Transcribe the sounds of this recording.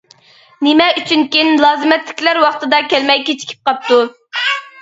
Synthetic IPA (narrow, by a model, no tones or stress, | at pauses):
nɪmɛyt͡ʃʰynkʲinlˠɑːzɨmɛt̪lɪ̥kʲlæɾwɑχt̪ɨd̪ɑkʲælmɛjkʲet͡ʃʰi̥kʲʰi̥p̚qʰɑp̚t̪u